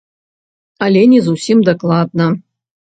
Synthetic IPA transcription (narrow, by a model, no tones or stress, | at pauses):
ɐlʲɛnʲizusʲimd̪ɐklˠad̪nɐ